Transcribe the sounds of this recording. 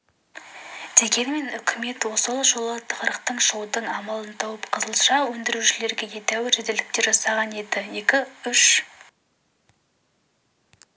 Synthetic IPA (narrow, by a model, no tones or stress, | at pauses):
d̪̥e̞ɡʲe̞nme̞nʏkʲʰɪme̞t̪wo̞səlˠʒo̞lˠət̪ʰə̥qəɾəqt̪əɴʒowd̪əɴɑmɑlˠənt̪ʰɑwəpqʰəzəlˠʃɑwɵnd̪ɪɾuʃɪle̞ɾɡʲe̞je̞t̪æwɪɾʒɪd̪elɪk̚t̪e̞ɾʒɑsɑʁɑne̞d̪ɪje̞kʲɪʏʃ